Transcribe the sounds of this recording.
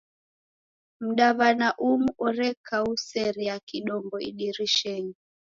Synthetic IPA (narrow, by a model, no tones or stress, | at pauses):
m̩ɗaβanaʔumuʔɔɾɛkausɛɾijakiɗɔmbɔḭɗiɾiʃɛɲi